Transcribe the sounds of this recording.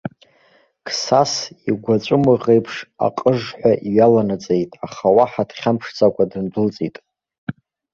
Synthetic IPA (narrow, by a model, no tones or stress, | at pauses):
kʰsasiɡʷat͡ɕʷʼʊmɨʁejpʰʂa̰qʼəʐħʷᶣaʔiɥalanat͡sʼejtʼaχawaħadχʲampʰʂt͡sʰʼakʷʼadɨndʊlt͡sʼitʼ